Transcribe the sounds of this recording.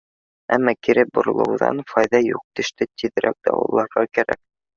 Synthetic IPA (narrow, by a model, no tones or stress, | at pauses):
æmːɑkiɾɘbŏɾŏlˠɤ̰̆wðɑ̰nfɑjðɑjuq̚t̪ɵ̆ʃt̪ɘt̪iðɘ̆ɾʔæk̚d̪̥ɑ̰wɤ̰lˠːɑɾʁɑkæɾæk̚